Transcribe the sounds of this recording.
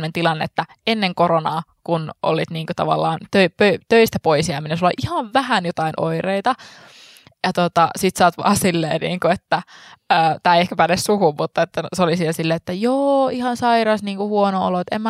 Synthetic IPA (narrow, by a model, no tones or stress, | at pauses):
nent̪ilɑnːeet̪ːæ | enːeŋkoronɑːkunʔo̰lːḭːt̪niːŋkot̪ɑ̰ʋɑ̰lːɑːnt̪øipøt̪øist̪æpoisjæːminensulːo̰ʔihɑʋʋæhænjot̪ɑinʔo̰ireit̪ɑ | jɑt̪ot̪ɑsit̪sɑːt̪ʋɑ̰ːsilːḛːnḭːŋkuet̪ːæəːt̪æːeiehkæpænessuhummut̪ːɑet̪ːæseolisielsilːeet̪ːæjoːihɑnsɑiɾɑsniːŋkuhuonoo̰loet̪ḛmːæ